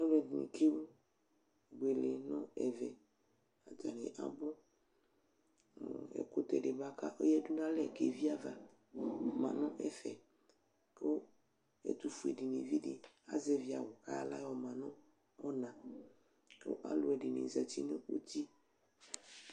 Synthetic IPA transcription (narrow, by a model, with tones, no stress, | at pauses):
nɔ˦lɛ˨dnḭ̃˨kʰe˦wu˦ | ɡ͡be˨le˨nɔ̃˦ɛ˨vɛ˨ | a˨d͡ʒa˨nẽ˨ʔa̰˨bo˦˨ | ɛ̰˨ko˦t̪ɛ˨ɖe˨ba˦ka̰˦ʔo˦jɛ˦du˦nã˦lɛ˨ke˨vi˦a˦va˨ | mã̰˨nɔ̃˦ʔɛ˦fɛ̰˨ | ko˦ | ḛ˨t̪u˨fu˨e˨ɖi˨nẽ˨vi˦ɖi˨ | a̰˦zɛ˨vi˨a˨wo˨ka̰˦la̰˦wɔ˨mã˨nɔ̃˦ | ɔ˦nã˨ | ko̰˦ʔa̰˦lo˨ɛ˨ɖi˨nḛ˨za˨ti˦nẽ˦u˦t̪i˦